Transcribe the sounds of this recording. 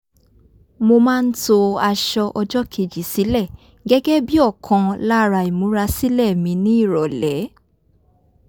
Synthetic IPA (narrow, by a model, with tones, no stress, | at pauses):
mo˧mãː˦˧n̩˦to˧a˧ʃɔ˧ʔɔ˧d͡ʒɔ˦kʰe˧˨d͡ʒi˨si˨˦lɛ˦˨ | ɡɛ˦ɡɛ˦bi˦ɔ˦˨kʰɔ̃˧la˦ɾa˧i˨mũ˨˦ɾa˧si˦lɛ˦˨mĩ˧˦nĩ˦i˦˨ɾɔ˨lɛ˨˦